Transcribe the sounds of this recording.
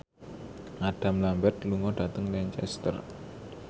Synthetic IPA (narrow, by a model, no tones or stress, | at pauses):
ʔaɖ̥a̤mlambɛt̪luŋɔɖ̥a̤t̪əŋlɛɲt͡ʃɛ̰st̪ə̰r